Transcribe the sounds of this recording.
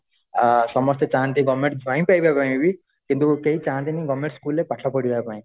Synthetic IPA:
sʌmʌst̪et͡saɦant̪iɡʌmːẽɳʈd͡zʱwãĩpajbapaj̃ibi | kint̪ukeit͡saɦãnt̪iniɡʌmːẽɳʈskulːepaʈʰlapʌɽiɾaepaĩ

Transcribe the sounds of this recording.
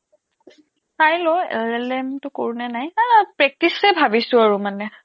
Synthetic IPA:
sajlɔɛ̰lɛlɛmtʊkoɹunɛnajpɹɛk̚tisɛbʱabisʊaɹumanɛ

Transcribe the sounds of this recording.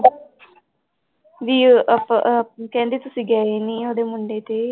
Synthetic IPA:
ʋipkend̪it̪usiɡaːjiniod̪emuɳɖet̪e

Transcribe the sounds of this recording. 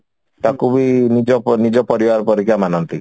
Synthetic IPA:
t̪akubinid͡ʒɔnid͡ʒɔpɔɾibaɾɔpɔɾikʰamanɔnt̪i

